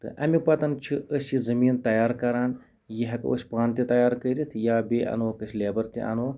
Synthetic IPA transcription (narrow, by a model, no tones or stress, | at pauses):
t̪ɨ̰ʔɐmipɐt̪ɐnt͡ʃʰiʔəsizɐmiːnt̪ɐjaːɾkɐɾaːn | jiɦɐkə̰sʲpaːnt̪it̪ɐjaːɾkəɾʲit̪ʰjaːbeːɐ̰nʋɐkɐsʲlʲeːbɐɾt̪ʲḭʔɐ̰nʋo